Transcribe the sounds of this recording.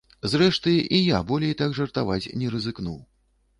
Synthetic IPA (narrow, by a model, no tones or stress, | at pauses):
zrɛʂt̪ɨʔijabɔlʲɛjt̪aɡʐɐrt̪avat͡sʲnʲɛɾɨzɨknuw